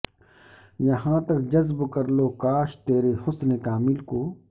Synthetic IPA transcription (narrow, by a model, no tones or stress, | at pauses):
jɐɦãːt̪ɐkd͡ʒɐzbkɐɾloːkaːʃt̪eːɾehʊsnekaːmɪlkoː